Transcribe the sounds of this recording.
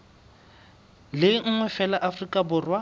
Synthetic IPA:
lɪŋ̩ŋwɛfɛlaʔafrikʼabʊrwa

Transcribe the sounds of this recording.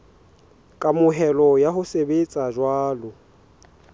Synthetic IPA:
kʼamʊɦɛlɔjaɦʊsebet͡sʼaʒwaːlʊ

